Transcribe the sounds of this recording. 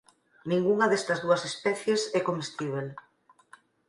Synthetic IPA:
nĩŋɡuŋɐðɛst̪ɐzðuɐsespɛθjesɛkomest̪iβ̞el

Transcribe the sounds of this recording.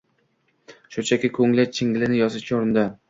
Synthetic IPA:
ʃʊt͡ʃʰakʲɪkʲʰɵŋlat͡ʃʰɪŋʲlɪnɪjɒsɪkʲʰaoɾɪnd̪ɪ

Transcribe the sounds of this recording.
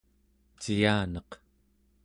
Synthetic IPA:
t͡ʃijaːnʌq

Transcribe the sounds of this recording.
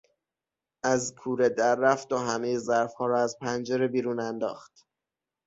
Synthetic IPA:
ʔæzkʰuːɾed̪æɾːæft̪oɦæmejezæɾfhɒːɾɒːæzpʰænd͡ʒeɾebiːɾuːnænd̪ɒ̰ːxt̪

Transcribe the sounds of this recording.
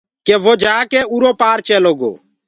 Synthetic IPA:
keʋoːd͡ʒaːkeuɾoːpaːɾt͡ʃɛːloːɡo̰ː

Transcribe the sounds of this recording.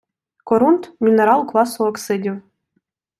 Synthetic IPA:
koɾunt̪mʲinʲeɾɑlˠklˠɑsoɤ̆ksɘ̆dʲew

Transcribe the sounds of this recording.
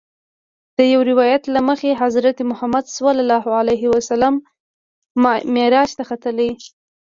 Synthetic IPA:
d̪̥əjawɾɪwɑjat̪laməxeɦazɾat̪emʊhamad̪swallɑhʕalajɦiwasalamː | meɾɑʃt̪axat̪əlai

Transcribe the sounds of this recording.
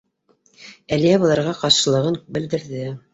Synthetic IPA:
ælijæβɤ̆lˠɑɾʁɑqɑɾʃɤ̆lˠɤ̆ʁɤnbɘ̆ld̪ɘ̆ɾðɘ

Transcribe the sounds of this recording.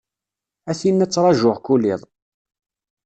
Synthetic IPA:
æθinːæt͡sːɾˤɑʒʊʁkulːiðˤ

